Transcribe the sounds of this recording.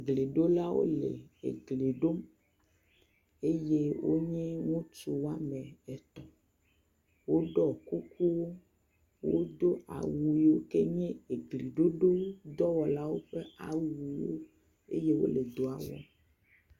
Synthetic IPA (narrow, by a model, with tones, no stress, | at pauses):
ɡle˨ɖo˦la˦wo̰˦lḛ˨ḛ˨ɡle˨ɖo˦m | e˦je˦wʔo̰˦ɲɛ̃˦ŋũ˦t͡ʃu˨wa˦mɛ̃˨ɛ˨t̪ɔ˨ | wo˦ɖɔ˦ku˦ku˦wo˦ | wo̰˦d̪o˦a̰˨wu˨i˨wo˦ke˦ɲɛ̃˦e˨ɡli˨ɖo˦ɖo˦d̪ɔ˦wɔ˨la˦wo˦ɸe˦a̰˨wu˨i˦wo̰˦ | ḛ˦je˦wo̰˦le˨d̪o˦a˨wɔ̰˨